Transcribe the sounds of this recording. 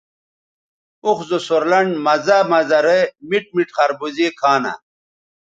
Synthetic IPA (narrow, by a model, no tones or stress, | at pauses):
uxzosoɾlɐɳɖmɐzamɐzɐɾemiʈ̚miʈχɐɾbuzikʰaːnɐ̰